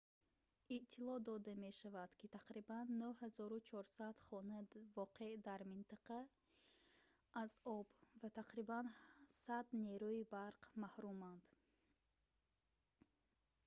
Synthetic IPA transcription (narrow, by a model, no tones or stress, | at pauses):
iʔt̪ʰilɔd̪ɔd̪ame̞ʃavad̪̥kʰit̪ʰaqɾibanːuhazɔɾut͡ʃʰɔɾsad̪̥χɔnavɔqʰed̪aɾmint̪ʰaqa | ʔazɔbvat̪ʰaqɾibansad̪neɾuibaɾqmahɾumand̪̥